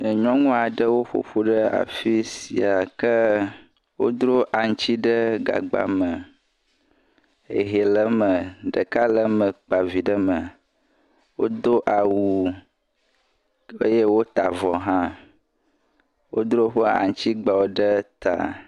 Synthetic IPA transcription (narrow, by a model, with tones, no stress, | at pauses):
ɲɔ̃˦ŋũ˦a˨ɖə˦wo˦ɸo̰˨ɸo˦ɖə˦a̰˨fi˦si˨a˨kə˦ | wo̰˦d̪ɾo˦ʔa˨ŋ˦t͡ɕi˦ɖə˦ɡa̰˨ɡ͡ba̰˦mə˨ | ḛ˨ɦe˨lə˦mə̃˨ɖə˨ka˦lə˦mə̃˨k͡pa˨vi˨ɖə˦mə˨ | wo̰˦d̪o˦ʔa˨wu˨ | ḛ˦je˦wo˦t̪a˨vɔ˨ɦã˦ | wo˦d̪ɾo˦ɸə˦a̰˨ŋ̩˦t͡ɕi˦ɡ͡ba˨wo˨ɖə˦t̪a̰˨